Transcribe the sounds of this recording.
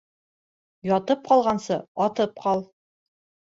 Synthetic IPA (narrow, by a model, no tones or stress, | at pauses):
jɒt̪ɤp̚qɒlˠʁɑnsɤɒt̪ɤp̚qɑlˠ